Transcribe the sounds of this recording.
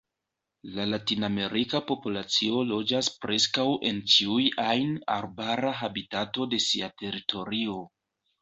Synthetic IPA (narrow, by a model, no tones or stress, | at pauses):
lalatiname̞ɾikapo̞pulat͡sio̞lo̞d͡ʒaspɾe̞skawʔe̞nt͡ʃiujajna̰ɾbaɾaɦabitato̞de̞siatʰe̞ɾitʰo̞ɾio̞